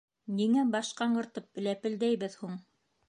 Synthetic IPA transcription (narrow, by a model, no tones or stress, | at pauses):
niŋæbɑʃqɑɴɢɤ̆ɾt̪ɤp̚bɘ̆læpɘ̆ld̪æjbɘðhuɴ